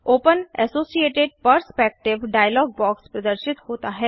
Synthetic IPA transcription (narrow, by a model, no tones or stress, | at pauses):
oːpənɛsoːsieːʈeɖ̚pəɾspɛːk̚ʈɪʋɖaːjəlɔːɡ̚bɔːkspɾɐd̪əɾʃɪt̪hoːt̪aɦɛː